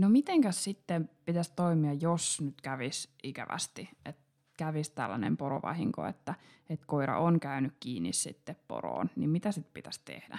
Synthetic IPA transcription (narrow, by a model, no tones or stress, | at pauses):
nomit̪eŋkæssit̪ːempit̪æst̪oimiɑjosnyt̪kæʋisʔikæʋæ̰st̪iʔet̪ | kæʋist̪æ̰lːænḛmpoɾo̰ʋɑ̰hiŋko̰ḛt̪ːæ | et̪koiɾɑ̰ʔoŋkæynykkiːnːissḭt̪ːeppo̰ro̰ːnnimmit̪æsit̪pit̪æst̪ḛhdæ̰